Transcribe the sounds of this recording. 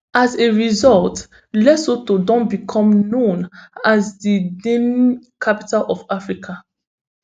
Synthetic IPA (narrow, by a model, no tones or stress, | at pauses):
ʔazeɹizɔlt | lɛsotodɔ̃nbikʰɔ̃mnõnazdidẽmkʰapitalʔɔfafɹikʰa